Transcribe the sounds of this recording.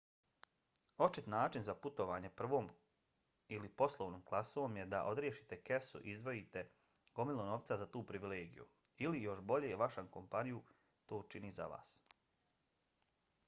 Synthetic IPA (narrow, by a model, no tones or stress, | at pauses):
o̞t͡ʃit̪naːt͡ʃinzaput̪o̞ʋaːɲe̞pr̩ʋo̞ːm | ilipo̞slˠoʋnoːmklˠasoʋomje̞d̪aʔo̞d̪ɾjeʃi̥t̪e̞kesṵʔizd̪ʋo̞jit̪e | ɡ̥o̞milˠono̞ʋt̪sazat̪uːpɾiʋileːɡḭjṵilijo̞ʃbo̞ʎejeʋaʃamko̞mpaniju | t̪oːt͡ʃiniza̰ʋa̰ːs